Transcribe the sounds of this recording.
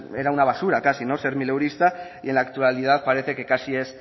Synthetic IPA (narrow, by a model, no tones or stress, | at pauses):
eɾaunaβasuɾakasino̞se̞ɾmilewɾist̪aienlakt̪ualið̞aðpaɾe̞θekekasie̞s